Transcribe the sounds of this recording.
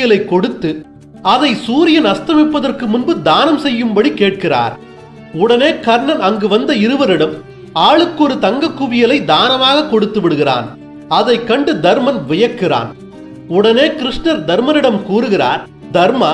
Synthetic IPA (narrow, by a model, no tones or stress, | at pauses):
jɐlɐɪkːɔɽɯt̪ːɯ | ɐðɐɪsuːɾɪjɐnɐst̪ɐmɪpːɐðɐrkɯmʊnbɯd̪aːnɐmsɛjːɯmbɐɽikeːʈ̚kɪra̰ːɾ | ʊɽɐneːkɐɾɳɐnɐŋɡɯʋɐnd̪ɐɪɾɯʋɐɾɪɽɐm | aːɭɯkːɔɾɯt̪ɐŋɡɐkːʊʋɪjɐlɐɪd̪aːnɐmaːɣɐkːɔɽɯt̪ːɯʋɪɽɯɣɪra̰ːn | ɐðɐɪkːɐɳɖɯd̪ɐɾmɐnʋɪjɐkːɪra̰ːn | ʊɽɐneːkɪɾɪʂnɐɾd̪ɐɾmɐnɪɽɐmkuːɾɯɣɪra̰ːɾ | d̪ɐɾmɐ